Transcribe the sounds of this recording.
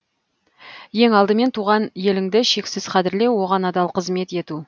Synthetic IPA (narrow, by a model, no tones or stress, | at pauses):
je̞ŋɑlˠd̪əme̞nt̪ʰuʁɑnje̞lɪŋd̪ɪʃe̞ksɪz̥qʰɑd̪ɪɾle̞wwo̞ʁɑnɑd̪ɑlˠqʰəzme̞t̪e̞t̪u